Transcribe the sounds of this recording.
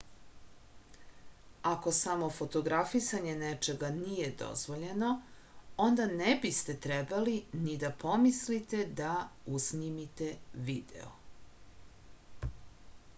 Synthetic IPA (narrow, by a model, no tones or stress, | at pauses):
ako̞samo̞fo̞t̪o̞ɡɾafisaɲe̞net͡ʃe̞ɡanije̞d̪o̞̰zʋo̞ʎe̞no̞ | o̞nd̪anebist̪e̞t̪ɾebalinid̪apo̞mislit̪e̞d̪ausnimit̪e̞ʋiːd̪ḛo